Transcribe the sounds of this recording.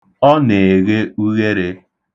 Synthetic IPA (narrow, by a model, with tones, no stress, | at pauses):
ɔ˦ne˨ɣe˦u˦ɣe˦ɾe˦